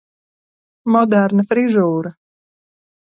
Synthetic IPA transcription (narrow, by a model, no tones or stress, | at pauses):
mɔd̪æɾnafɾizuːɾɐ